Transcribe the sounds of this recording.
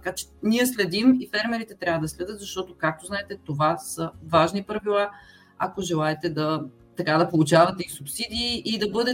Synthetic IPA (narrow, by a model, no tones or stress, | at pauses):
t̪kat͡ʃɛ̥niɛslɛd̪imifɛɾmɛɾit̪ɛt̪ɾʲavəd̪ɐslɛd̪ɤt̪zɐʃt̪ɔt̪okak̚t̪oznaɛt̪ɛt̪ovasəvaʒnipɾɐvilˠa | ɐ̰koʒɛlˠaɛt̪ɛd̪ɐ | t̪ɐkad̪ɐpolˠut͡ʃavɐt̪ɛisupsid̪iːʔːd̪ɐbɤd̪ɛ